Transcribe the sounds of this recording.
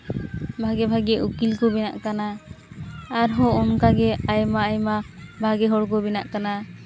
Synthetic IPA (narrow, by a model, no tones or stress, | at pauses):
bʱaɡɛbʱaɡɛʔukilkɔbɛnaʔkana | aɾɦɔɔnkaɡɛajmaːjmabʱaɡɛɦɔɽkɔbɛna̰ʔkana